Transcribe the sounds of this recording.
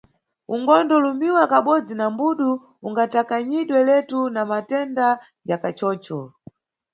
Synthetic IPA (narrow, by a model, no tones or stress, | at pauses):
uŋɡɔndɔlumiwakaɓɔd͡zinambuɗu | uŋɡatakaɲiɗwɛlɛtunamatɛnda | jakat͡ʃɔːt͡ʃɔ